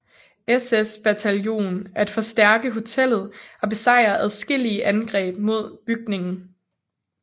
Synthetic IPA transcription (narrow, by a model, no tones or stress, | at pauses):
esesb̥æt͡sʰæljo̝̰ːnæɐe̝d̥fɒ̽sd̥æɐɡ̥əɦo̝t͡sʰel̰ð̩ˠɒ̽b̥e̝sɑ̈ɪ̰ɐʔæðˠsɡ̥e̝l̰iəʔænɡ̥ʁɛ̰ːb̥mo̝ð̞̰ˠb̥yɡ̥ne̝ŋn̩